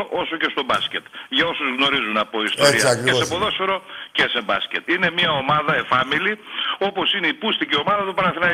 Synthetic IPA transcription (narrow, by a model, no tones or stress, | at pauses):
oʔo̞so̞ce̞st̪o̞bɐsce̞t̪ʝɐo̞suzɣno̞ɾizunɐpo̞ist̪oiɐkɾeseɐpoðosfeɾo̞cese̞bɐ̰scet̪ine̞mɲɐo̞mɐðɐefɐmilio̞po̞sineipust̪icio̞mɐðɐt̪upɐɾɐθinɐ